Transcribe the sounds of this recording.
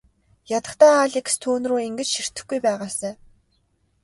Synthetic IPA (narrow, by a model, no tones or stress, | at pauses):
jat̪ə̆χt̪aːaːɮik̆st̪ʰuːnruːiŋɡɘ̆t͡ɕʃir̥t̪ɘ̆xɡujpæːʁaːsæː